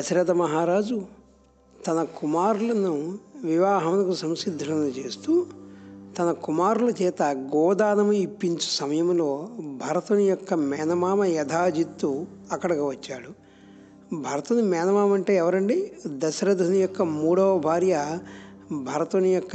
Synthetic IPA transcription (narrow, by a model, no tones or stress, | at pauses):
ɐsɾɐt̪ɐmɐɦaːɾaːd͡ʒu | t̪ɐnɐkumaːɾulɐnuʋiʋaːɦɐmnɐkusɐmʃid̪ʱːɐnɐnːut͡ʃe̞ːst̪uːt̪ɐnɐkumaːɾulɐt͡ʃɛːt̪ɐɡɔːd̪aːnɐmuipːiɲt͡ʃu̥sɐmɐjɐmlo̞ːbʱɐɾɐt̪unujɔkːɐmɛːnɐmaːmɐjɐd̪ʰʱaːd͡ʒit̪ːuɐkːɐɽɐkɐʋɐt͡ʃːaːɽu | bʱɐɾɐt̪unumɛːnɐmaːmɐɳʈe̞ːɛʋɐɾɐɳɖid̪ɐsɐɾɐd̪ʱunujɔkːɐmuːɽɐʋɐbʱaːɾjɐ | bʱɐɾɐt̪unɐjɔkːɐ